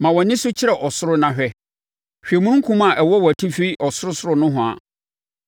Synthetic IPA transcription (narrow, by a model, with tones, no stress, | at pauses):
mã˨wɔ̃˨nɪ̃˦sʊ˦t͡ɕʰɪ˦ɾɛ˨ʔɔ˨sʊ˦ɾʊ˦nã˨ɕᶣɛ˦ | ɕᶣe˨mũ˦kʰũ˦m˦a˨ʔɛ˨wɔ˦wɔ˨tʰi˦fi˦ʔɔ˨sʊ˦ɾʊ˦sʊ˦ɾʊ˦nʊ̃˦ɦʊ̃˨a̰˨